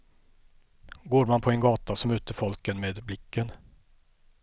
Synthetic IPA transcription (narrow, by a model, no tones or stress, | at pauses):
ɡoːɾmanpʰɔɛnɡɑːt̪asɔmʉ̟ːt̪əɾfɔlkənmeːd̪blɪkʰːən